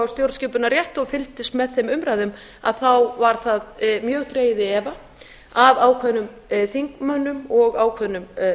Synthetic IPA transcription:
awst̪jowɾt̪scɪːpʏnarjɛht̪ɔɣfɪlt̪ɪst̪mɛðθɛmʏmɾaːðʏm | a̰ðθawvaɾ̥θaðmjœːɣθɾeːjɪðɪɛːva | avaːwkʰvɛðnʏm | θiŋkmœnːʏmɔɣaːwkʰvɛðnːʏm

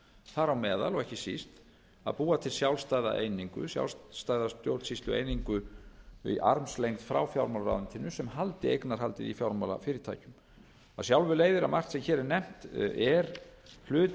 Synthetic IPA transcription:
θaɾawmɛːða̰lɔɣɛhcɪsist̪ | a̰ðpuːat̪ʰɪlsjawlst̪aːjða̰ʔejniŋkʏ̰sja̰wlsst̪aːjðast̪jowɾt̪sist̪lʏḛːjniŋkʏ | ḭʔa̰ɾmslejnt̪fɾa̰wfjawɾmalɾa̰wðɪnt̪ʰɪnːʏsɛmhalt̪ɪejknaɾ̥halt̪ɪðifjawɾmala̰fɪːɾɪɾt̪ʰa̰ːjcʏm | aðsjawlvʏleːjðɪɾamar̥t̪sɛmçɛːɾɛɾnɛm̥t̪ɛɾl̥ʏːt̪

